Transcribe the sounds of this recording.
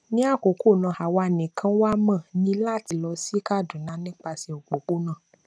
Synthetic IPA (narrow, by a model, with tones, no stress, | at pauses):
nĩ˦a˦˨ko˨˦ko˦˨nã˨ha˨wa˧˨nĩ˨kʰã˦wa˦mã˦˨nĩ˨˦la˦˨ti˨lɔ˧si˦ka˦˨dũ˨nã˨˦nĩ˦k͡pa˧si˧o˨ɡ͡bo˨k͡po˦nã˦˨